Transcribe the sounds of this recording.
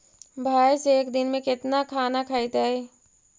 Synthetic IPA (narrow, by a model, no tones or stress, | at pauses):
bʱaːjseːkd̪ɪnmẽkɪt̪nakʰaːnakʰaːɪt̪aɛː